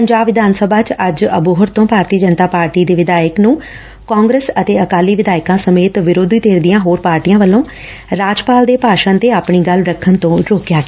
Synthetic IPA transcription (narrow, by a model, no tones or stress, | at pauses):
pəɲd͡ʒaːbʋɪd̪aːnsəbʱaːt͡ʃəd͡ʒəbuːɦʊɾt̪õːpaːɾt̪iːd͡ʒənt̪aːpaːɾʈiːd̪eːʋɪd̪aːjəknũː | kaːŋɡɾəsət̪eːəkaːliːʋɪd̪aːɪkãːsəmeːt̪ʋɪɾoːd̪iːt̪eːɾd̪ijãːɦoːɾpaːɾʈiːjãːʋəlːõː | ɾaːd͡ʒpaːld̪eːpaːʃənt̪eːaːpɳiːɡəlɾəkʰənt̪õːɾoːkjaːɡ